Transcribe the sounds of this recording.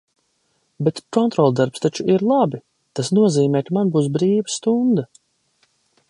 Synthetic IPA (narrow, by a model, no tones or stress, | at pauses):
bet̪kɔnt̪ɾɔlˠd̪aɾpst̪at͡ʃuiɾlˠabi | t̪asnuɔziːmɛːkamanbuːs̬bɾiːvəst̪und̪a